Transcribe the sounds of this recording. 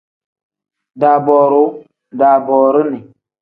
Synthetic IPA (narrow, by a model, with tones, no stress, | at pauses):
daː˨bɔː˨ɾu˨˦ | da˨bɔː˨ɾu˦ni˨